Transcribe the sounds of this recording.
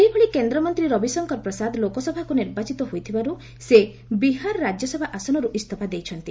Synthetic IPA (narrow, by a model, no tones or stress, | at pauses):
eibʱɔɭikend̪ɾɔmɔnt̪ɾiɾɔbisɔŋkɔɾpɾɔsad̪lokɔsɔbʱakuniɾbat͡ʃit̪ɔɦojt̪ʰibaɾu | se | biɦaɾɔɾad͡ʒjɔsɔbʱaʔasɔnɔɾuʔist̪ʰɔpad̪ejt͡ʃʰɔnt̪i